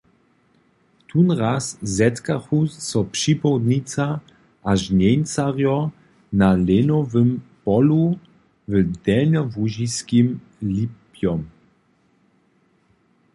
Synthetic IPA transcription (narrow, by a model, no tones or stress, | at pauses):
t̪ʰunʁaszɛtkaχusːɔpʂipɔwd̪nit͡sa | ʔaʒnent͡saʁjɔ | nalenɔvəmpɔlu | vəd̪ɛnɔvuʑiskim | lipjɔm